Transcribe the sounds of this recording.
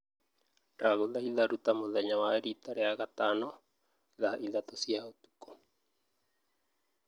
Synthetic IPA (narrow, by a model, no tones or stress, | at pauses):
ɾaɣolahilaɾut̪amoðaɲawaeɾit̪aɾeaɣat̪ano | laaʔilat̪osiaot̪u̥ko̥